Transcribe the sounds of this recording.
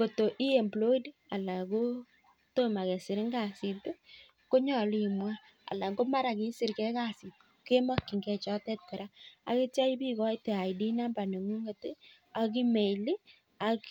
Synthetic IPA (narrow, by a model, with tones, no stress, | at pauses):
ɡo˨to˨ʔi˦e˨mblo˦i˦da˨la˨ko˦ | to˦ma˨ke˨sɪ˨ɾɪ˦ŋɡa˨si˨tu˦ | ko˦ɲɔ˨li˨mwa˦ | a̰˨la˨ŋɡo˦ma˦ɾa˨ki˨˦sɪ˨ɾkɛ˦ka˦˨si˨tke˦ma˦kːi˨ŋɡɛ˨t͡ʃɔ˦tɛ˦t̚ke˨ɾa˦a̰˦ke˦ta˦i˦pi˦kɔ˦i˦te˨a˨jdi˦na˦mba˨ne˨ŋu˦ŋe˨tɪ˦ | a˨k̬i˦me˨li˦ | a˨k